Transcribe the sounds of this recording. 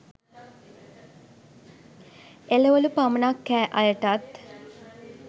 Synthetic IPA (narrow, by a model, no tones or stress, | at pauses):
eləʋəlupamənakːæːʔɐjəʈat̪